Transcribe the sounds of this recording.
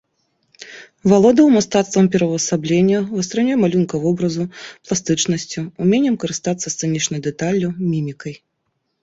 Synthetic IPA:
valˠɔd̪ɐwmast̪at̪st̪vɐmpʲɛɾɐvɐsablʲenʲːɐvɨst̪ɾanʲujɛmalʲunkɐvɔbɾɐzuplˠast̪ɨt͡ʂnɐsʲt͡sʲuːmʲenʲːɛmkɐɾɨst̪at̪sːɐst̪sɨnʲit͡ʂnɐd̪ɛt̪alʲːumʲimʲikɐj

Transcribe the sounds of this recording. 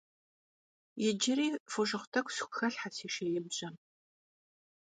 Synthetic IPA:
jɛd͡ʒɪɾiːfoʒɨχʷtʰɐkʷʰʼsxʷxɐɬħasiːʃejɪbɕʼɐm

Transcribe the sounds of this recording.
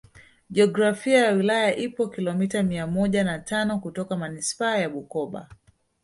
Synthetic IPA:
ʄɛɔɡɾafiajawilajaʔipɔkilɔmitamiamɔʄanatʰanɔkutɔkamanispaːjaɓukɔɓa̰

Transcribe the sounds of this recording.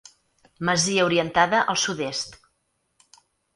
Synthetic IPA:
məziəuɾiənt̪aðəʔəlˠsuðest̪

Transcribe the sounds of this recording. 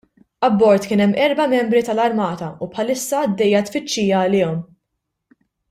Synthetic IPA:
ɐbːɔɾt̪kɪːnɛmːʔɛɾbɐmɛmbɾit̪ɐlɐɾmɐːt̪ɐupħɐlɪsːɐːd̪ːɛjːɐt̪fɪt͡ʃːiːjɐːlɪːɔm

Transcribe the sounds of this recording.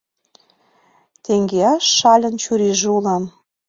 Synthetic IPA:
t̪eŋɡeɑʃːɑlʲə̆nt͡ɕuɾiʒeulɑm

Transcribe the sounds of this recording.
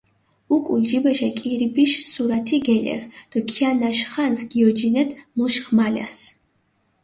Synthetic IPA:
ukʼuld͡ʒibɛʃɛkʼiɾibiʃsuɾat̪ʰiɡɛlɛ̰ʁd̪̥ɔkʰianaʃχansɡ̥iɔd͡ʒinɛt̪muʃχmalɛ̰s

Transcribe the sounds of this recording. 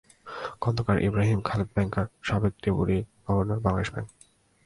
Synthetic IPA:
kɔnd̪okaɾʔḭbɾaɦimkʰalet̪̚bɛŋkaɾʃabeɡ̚t̪epuɾiɡ̥ɔbonaɾbaŋeʃbɛ̰ŋk

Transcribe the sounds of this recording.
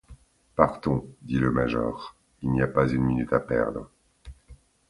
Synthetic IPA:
paʁt̪ɔ̃d̪iləmaʒɔːʁ | ilniapazynminyt̪apɛ̰ʁd̪ʁə

